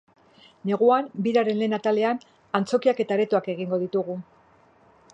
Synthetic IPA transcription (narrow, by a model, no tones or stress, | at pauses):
ne̞ɣuambiɾaɾe̞nle̞ːnat̪ale̞an | ant͡so̞kiake̞t̪aɾe̞t̪uake̞ɣiŋɡo̞ðit̪uɣu